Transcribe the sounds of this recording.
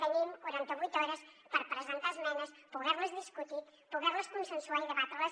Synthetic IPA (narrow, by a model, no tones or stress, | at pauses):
t̪ənimkuɾant̪əβujt̪ɔɾəs | pəɾpɾəzənt̪azmɛnəspuɣɛɾləzðiskut̪i | puɣɛrləskunsənsuaiðəβat̪ɾələs